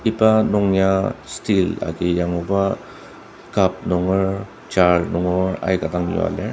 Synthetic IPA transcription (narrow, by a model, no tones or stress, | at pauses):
ipanɔŋjastila̰ɡijaŋuba | kap̚nɔŋɔɾ | t͡ʃaɾnɔŋɔɾa̰jɡadaŋjo̰a̰le